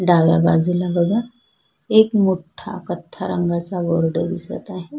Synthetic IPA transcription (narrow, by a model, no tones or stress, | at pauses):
ɖaːʋja̰baːzilabɐɡa | eːkmʊʈʰːa̰kɐt̪ʰːaɾə̃ŋɡasaboːɾɖəɾisɐ̰t̪aɦɛ